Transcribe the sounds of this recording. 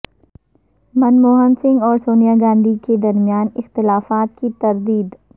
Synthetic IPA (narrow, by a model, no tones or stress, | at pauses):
mɐnmoːɦənsɪ̃ŋɡɔːɾsoːnijaɡãːnd̪ʱiked̪ɐɾmijaːnɪxt̪ɪlaːfaːt̪̚kit̪ɐɾd̪iːd̪